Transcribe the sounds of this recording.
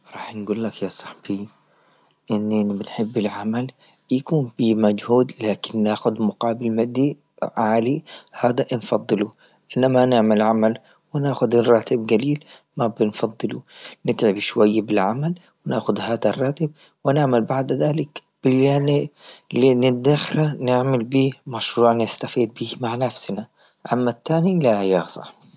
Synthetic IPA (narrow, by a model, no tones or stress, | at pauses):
ɾˤɑːħnɡuːlːakjasˤɑ̥ħb̥i | ʔɪnːʔɪnibɪnħɪbːɪlʕamal | jakuːnbimad͡ʒhuːd̪laːkɪnːaːxʊd̪mʊqɑːbɪlmad̪ːi | ʕaːlihaːd̪aʔnfɑd̪ˤːɨlu | ʔɪnːamanɪʕmalʕamal | wɪnaːxʊd̪rˤːɑːt̪ɪb̚ɡaliːl | mabɪnfɑd̪ˤːɨlunɪt̪ʕɪbʃwajːabɪlʕamal | wɪnaːxʊd̪haːd̪arˤːɑːt̪ɪb̚ | wɪnɪʕmalbaʕd̪ðaːlɪkb̥ɪlːanlinɪd̪axɾanɪʕmalbiːmaʃɾuːʕnɪst̪afiːd̪̚biːmaʕnafsna | ʔamːat̪ːaːnilajaːsˤɑ̰